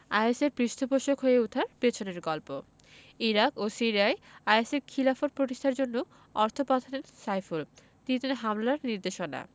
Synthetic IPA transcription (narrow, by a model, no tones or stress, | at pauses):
ajeseɾpɾiʃt̪ʰopoʃokɦoeut̪ʰaɾpet͡ɕʰoneɾɡɔlpo | iɾakosiɾiaeajeseɾkʰilafoɾpɾoʈiʃtʰaɾd͡ʑonːo | ɔɾt̪ʰopat̪ʰaɾeɾsajful | t̪init̪ineɦamlaɾniɾd̪eʃona̰